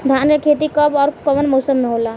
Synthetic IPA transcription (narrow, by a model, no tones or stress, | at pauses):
d̪ʱanekʰet̪̬ikəbɔːɾkəbənmɔːsəmneɦola